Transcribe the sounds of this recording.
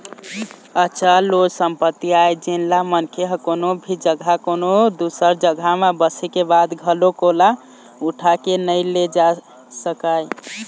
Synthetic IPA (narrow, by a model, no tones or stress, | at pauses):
əːʃʰalod͡ʒsəmpət̪ːiajd͡ʒenlamənkʰeɦə̃konobʱid͡ʒəɡʱakonod̪usəɾd͡ʒəɡʱamabəsɛkebad̪ɡʱəlokola | uʈʰakenəjled͡ʒa | səkaj